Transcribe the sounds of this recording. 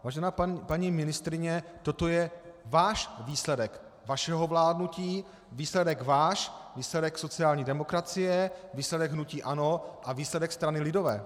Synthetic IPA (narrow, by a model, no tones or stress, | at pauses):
vaːʒɛnaːpaɲimɪnɪst̪ɾɪɲɛt̪o̞t̪o̞jɛvaːʃviːslɛdɛk | vaʃɛɦo̞vlaːdnuciː | viːslɛdɛkvaːʃviːslɛdɛkso̞t͡sɪaːlɲiːdɛmo̞kɾat͡sɪjɛviːslɛdɛɡɦnuciːʔano̞ʔaviːslɛdɛkst̪ɾanɪlɪdo̞vɛ̰ː